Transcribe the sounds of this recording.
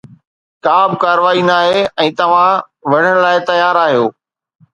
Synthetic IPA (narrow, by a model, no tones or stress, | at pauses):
kaːbkaːɾʋaːinaːɦeɛ̃ːt̪ɐʋ̤ã | ʋɐɽ̤əɽ̃laːɪt̪ɐjaːɾaːɦijoː